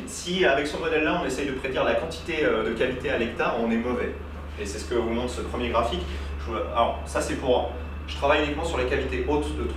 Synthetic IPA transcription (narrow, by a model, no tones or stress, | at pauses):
siavɛksəmɔd̪ɛlːaɔ̃nesɛjd̪əpχed̪iʁlakɑ̃t̪i̥t̪eød̪əkalit̪ealɛk̚t̪aʁɔ̃nɛmɔvɛ | esɛsə̥kəvumɑ̃t̪səpχəmjeɡʁafik | ʒua̰lɔʁsasɛpuʁ | ʒ̥ə̥t̪χavajynikmɑ̃syʁlekalit̪eʔot̪d̪ət̪